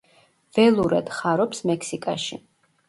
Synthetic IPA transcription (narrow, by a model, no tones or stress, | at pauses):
vɛlˠuɾɛd̪̥χaɾɔpsmɛksikʼa̰ʃḭ